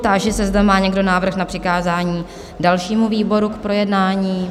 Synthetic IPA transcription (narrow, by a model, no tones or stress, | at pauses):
t̪aʒɛsɛzdɛmaːɲɛɡdo̞naːvr̩xnapr̥ɪkaːzaːɲiː | dalʃiːmuviːbo̞ɾukpɾo̞jɛdnaːɲiː